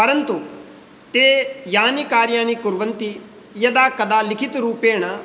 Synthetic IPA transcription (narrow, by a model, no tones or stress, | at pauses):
pɐɾənt̪u | t̪eːjaːnikaːɾjaːñikʊɾʋənt̪i | jɐd̪aːkɐd̪aːlɪkʰɪt̪ɾuːpeːɽ̃a